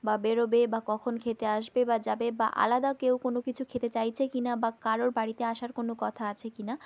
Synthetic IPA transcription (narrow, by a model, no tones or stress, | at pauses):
babeɾobebakɔkʰonkʰet̪eaʃbebad͡ʑabeba̰ʔa̰lad̪akewkonokit͡ɕʰukʰet̪et͡ɕajt͡ɕʰekinabakaɾoɾbaɽit̪eaʃaɾkonokɔt̪ʰaat͡ɕʰekina